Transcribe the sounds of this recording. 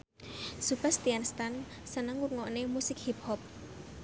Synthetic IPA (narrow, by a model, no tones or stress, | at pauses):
supast̪ianst̪an | sənəŋurŋɔnemusɪk̚hip̚hɔp̚